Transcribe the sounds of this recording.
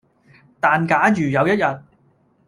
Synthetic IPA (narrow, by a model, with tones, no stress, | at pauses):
t̪aː˨nkaː˨˥jyː˨˩jɐ˨˧wjɐ˥t̚jɐ˨t̚